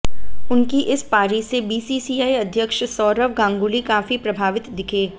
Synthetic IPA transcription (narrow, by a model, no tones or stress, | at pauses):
ʊnkiʔɪspaːɾisebiːsiːsiːaːiɐd̪ʱjəkʃsɔːɾəʋɡãːŋɡulikaːfipɾɐbʱaːʋɪt̪d̪ɪkʰeː